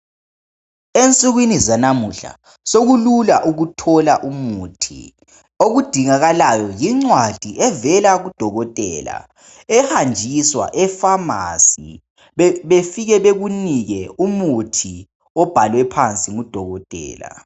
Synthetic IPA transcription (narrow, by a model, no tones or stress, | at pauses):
ent͡sʼuɣwinizanamuɬa̰ | soɣululaʔuɣutʰɔlaʔumutʰḭ | oɣud̥ʱiŋaɣalajɔjiŋ͡ǀwad̥ʱiʔɛvɛlaɣud̥ʱɔɣɔtʼɛːla̰ | ɛhand͡ʒʱiswa̰ʔɛfama̰si | βefiɣɛβeɣuniɣɛumutʰi | ɔb̥ʱalwɛpʰant͡sʼimud̥ʱɔɣɔtʼɛ̰ːla̰